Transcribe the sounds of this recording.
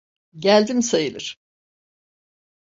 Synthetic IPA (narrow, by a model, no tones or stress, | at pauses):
ɟælʲd̪imsajɯlˠɯɾ̥